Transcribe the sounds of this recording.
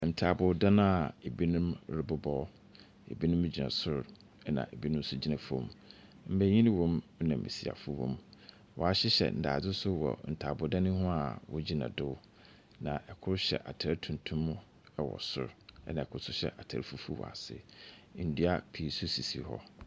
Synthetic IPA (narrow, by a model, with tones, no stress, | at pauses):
n̩˨tʰa˨bʊ˨dã˦nã˦a˨e˨bi˦nʊ̃˦mɾɪ˦bʊ˦bɔː˦ | ḛ˨bi˦nʊ̃˦m˦d͡ʑi˨nã̰˨sʊ˦ɾ | ɛ˦nã̰˨ʔe˨bi˦nʊ̃˦m̩˦sʊ˦d͡ʑi˦nã˨fõ̰˦m | m̩˦be˦ɲĩ˦nɪ̃˦wɔ̃˦m˦nã˨m˨mḭ̃˨si˨a̰˨fʊ˦wɔ̰̃˨m | wɔ˨a˨ɕɪ˦ɕɛ̰˨n̩˨da̰ː˨dʊ˦sʊ˦wɔ̰˨n̩˨tʰa˨bʊ˨dã˦nʊ̃˦hʊ̃˦a˨wʊ˦d͡ʑi˦nã̰˨dʊ˦w | nã˨ʔɛ˨kʰʊ˦ɾɕɛ̰˨ʔa˨tʰɛ˨ɾtʰũ˨n˨tʰũ˦mːʊ̃˦ | ɛ˦wɔ̰˨sʊ̰˦ɾɛ˦nã˨ɛ˨kʰʊ˦sʊ˦ɕɛ̰˨ʔa˨tʰɛ̰˨ɾfu˦fu˦wɔ̰˨a̰˨sɪ̰˦n̩˨di˦a˦pʰi˨su˦si˨si˦hɔ̰˦